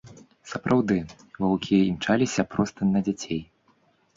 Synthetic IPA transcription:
sɐpɾʔawd̪ɨ | vɐwkʲiɛimt͡ʂalʲisʲɐpɾɔst̪ɨnɐd͡zʲat͡sʲej

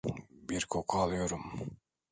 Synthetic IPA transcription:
biɾkʰokʰaɑlˠɯjoɾum

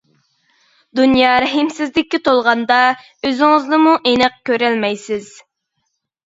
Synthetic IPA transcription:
d̪unjɑːɾɛɦɪmsɪzlɪkʲːit̪ʰolˠʁɑnd̪ɑ | øzɪŋɨznɨmuʔenɛq̚kʲøɾɛlmɛjsɪz̥

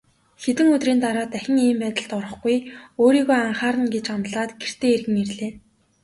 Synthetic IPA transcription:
xet̪ɘ̆ŋɵt̪riːnt̪aɾaːt̪æxʲɪ̆ŋiːmpæːt̪ə̆ɬt̪ɔɾə̆χɡujoːɾiːɣoːaɴχaːɾə̆nɡet͡ɕanɮaːt̪ɡer̥t̪ʰeːerɣɘ̆ŋerɮeː

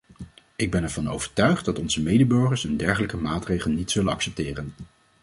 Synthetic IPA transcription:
ɪɡ̚bɛnɛɹv̥ɑno̰wv̥əɹtœɥχtdɑtɔnzəmejdəbɵɹχəɹsəndɛɹχələkəmaːtrejχəlˠnitsɵlənɑ̰ksɛp̚tɪːrən

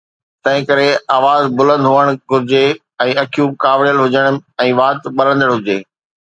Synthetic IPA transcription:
t̪ɐ̃ɦɪ̃kɐɾeaːʋaːzbʊlə̃nd̪ʱɦʊəɽ̃ɡʱʊɾɪd͡ʑe | ɛ̃ːɐkʰjukaːʋɽijəlɦʊd͡ʑəɽ̃ɛ̃ːʋaːt̪ɓɐɾə̃nd̪əɽɦʊd͡ʑeː

